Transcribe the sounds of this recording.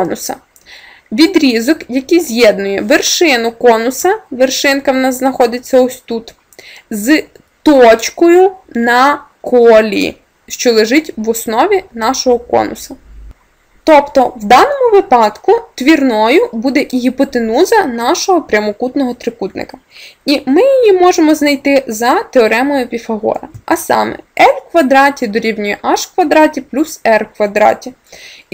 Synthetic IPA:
nʊsɐ̰ | ʋʲid̪ɾʲizɔkjɐkijzʲjɛd̪nʊjɛʋerʃɪnʊkɔnʊsɐʋerʃɪnkɐwnɑzznɐxɔd̪ʲɪt͡sʲːɐɔsʲt̪ut̪ | z | t̪ɔt͡ʃkɔjʊnɐ | kʰɔlʲḭ | ʃt͡ʃɔlˠeʒɪtʲʋɔsnɔʋʲinɑʃɔɦɔkɔ̰nʊ̰sɐ | t̪ɔpt̪ɔwd̪ɑnɔmʊʋɪpɑd̪kʊt̪ʋʲirnɔjʊbud̪ɛʔiɦipɔt̪enuzɐnɑʃɔɦɔpɾʲɐmɔkut̪nɔɦɔt̪ɾɪkut̪nɪ̰kɐ̥ | imɪjijimɔʒemɔznɐjt̪ɪzɐt̪eɔɾɛmɔjʊpʲifɐɦɔ̰ɾɐʔɐsɑ̰mɛ̰ɛlʲkʋɐd̪ɾɑtʲid̪ɔɾʲiwnʲujɛʔɑʃkʋɐd̪ɾɑtʲiplʲusɛrkʋɐd̪ɾɑ̰tʲi

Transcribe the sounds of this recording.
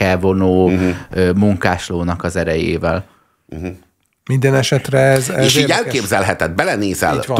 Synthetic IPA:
ɛlvo̞noːømuŋkaːʃloːnɒkɒzɛɾɛjḛːvɛl̩ | ɦ | mind̪ɛnɛʃɛt̪ɾɛɛzɛeːʃiːɟɛlkeːbzɛlɦɛt̪ɛd̪̚bɛlɛneːzɛ̰l

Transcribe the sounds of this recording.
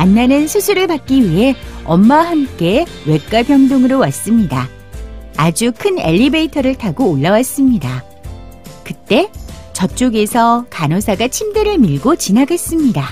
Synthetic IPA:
anːanɯnsʰusʰuɾɯɭpak̚k͈iɥiɦe̞ʌmːaɦamk͈e̞ | we̞k͈̚apjʌŋdoŋɯɾowas͈ɯmɲidaː | d͡ʑukʰɯne̞̰ʎːibeitʰʌɾɯɭtʰaɡoːɭːawas͈ɯmɲida | kɯt͈e̞t͡ɕʌt͡ɕ͈oɡe̞sʰʌkanosʰaɡat͡ɕʰimdɯɾɯɭmiɭɡot͡ɕinaɡes͈ɯmɲida

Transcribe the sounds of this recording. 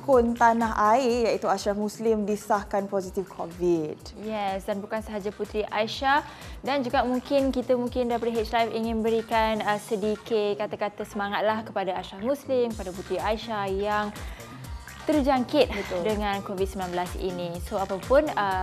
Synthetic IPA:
kʊnt̪anaɦʔaɪjaʔit̪uaʃahmũslɪmdisahkanpɔzit̪ifkʰovid | jɛsdanbukansəɦad͡ʒaput̪ɾiʔaiʃah | dand͡ʒuɡaʔmũŋkɪnkit̪əmũŋkɪndapədiɦet͡ʃlajfiŋɪ̃nbəɾikanəsədikɪtkat̪akat̪əsəmaŋat̪̚lahkəpadaaʃahmũslɪmkəpadaput̪ɾiajʃajaŋ | t̪ərd͡ʒaŋkɪt̪̚bət̪udəŋãnkovid̪̚səmbilanbəlasḭnĩsoapapʊnə

